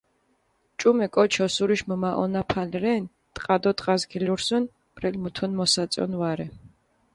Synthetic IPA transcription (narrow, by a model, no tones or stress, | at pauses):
t͡ʃʼumɛkʼɔt͡ʃʰɔsuɾiʃməmaʔɔnapʰalɾɛn | t̪ʼqʼad̪ɔt̪ʼqʼazɡiluɾsun | b̥ɾɛlmut̪ʰunmɔsat̪sʼɔ̰nwaɾɛ